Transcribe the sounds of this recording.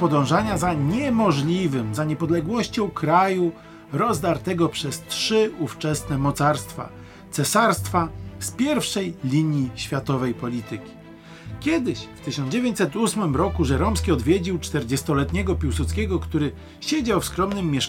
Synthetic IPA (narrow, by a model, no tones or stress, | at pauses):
pɔd̪ɔ̃w̃ʐaɲazaɲɛmɔʐlʲivɘmzaɲɛpɔd̪lɛɡwɔɕt͡ɕɔ̃w̃kɾaju | ɾɔzd̪aɾt̪ɛɡɔpʂɛstʂɘuft͡ʂɛsnɛmɔt̪saɾst̪fa̰ | t̪sɛsaɾst̪faspʲjɛɾfʂɛjlʲiɲjiɕfʲjat̪ɔvɛjpɔlʲit̪ɘkʲi̥ | kʲɛd̪ɘɕft̪ɘɕɔnd͡ʑevʲjeɲt͡ɕ̪ʲsɛt̪usmɘmɾɔkuʐɛɾɔmskʲiɔd̪vʲjed͡ʑiwt͡ʂt̪ɛɾd͡ʑɛst̪ɔlɛt̪ɲɛɡɔpʲiwsut̪skʲɛɡɔkt̪uɾɘ | ɕed͡ʑawfskɾɔmnɘmʲːjɛʂ